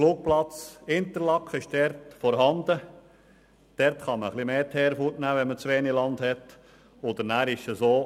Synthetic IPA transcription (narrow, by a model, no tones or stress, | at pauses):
fluːk̚plɑt͡sɪnt̪əɾlɑkχəɪʃd̥ɛɾtfɔɾɦɑnd̪ə | d̥ɛɾtχɑməχlimeːt̪ʰɛːɾfutnæːʋɛnmət͡sʋeːnilɑnd̪hɛt | od̪əɾnæːɾɪʃəsoː